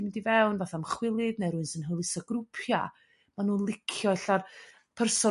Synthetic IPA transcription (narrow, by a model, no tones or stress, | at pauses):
imɪndivɛwnvaθamχwɪlˠɪdnejɾʊɨnsənɦəlˠɪsɔɡrʊpʰja̰ | manuːlˠɪkʰjɔjɬar | pʰərsɔ